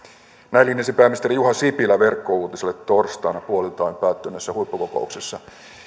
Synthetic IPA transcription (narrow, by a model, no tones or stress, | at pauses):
nælinesipeæmist̪eijuɦɑsipilæʋe̞rkːo̞uːt̪iselːet̪ːo̞rst̪ɑːnɑpuo̞lilt̪ɑjmpæːt̪ːønːesːæhuipːukoko̞̰ukse̞sːɑ